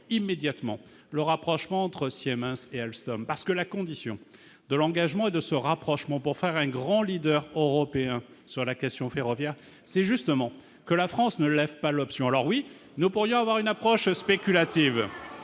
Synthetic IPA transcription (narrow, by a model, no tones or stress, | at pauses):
imːed̪jat̪mɑ̰̃ | ləʁapχɔʃmɑ̃ɑ̃t̪χəsiɛmɛ̃seɛlst̪ɔmpaʁsə̥kəlakɔ̃d̪isjɔ̰̃ | d̪əlɑ̃ɡaʒmɑ̃ed̪əsəʁapχɔʃmɑ̃puʁfɛʁɛ̃ɡʁɑ̃lid̪œʁøʁɔpeɛ̃ | syʁlakʲɛst̪jɔ̃feʁɔvjɛʁ | sɛʒyst̪əmɑ̃ | kəlafχɑ̃snəlɛvpalɔpsjɔ̃alɔʁwi | nupuʁjɔ̃avwaʁynapχɔʃspekʲylat̪iv